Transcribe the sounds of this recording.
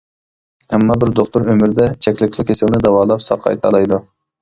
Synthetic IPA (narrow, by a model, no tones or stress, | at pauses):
hɛmːɑbɪɾd̪oχt̪ʊɾømɪɾd̪ɛt͡ʃʰɛkʲlɪkʲlˠɪkʲʰːesɪlnɪd̪ɛwɑːlˠɑpsɑ̰qʰːɑ̰jt̪ʰɑ̰lˠɑjd̪u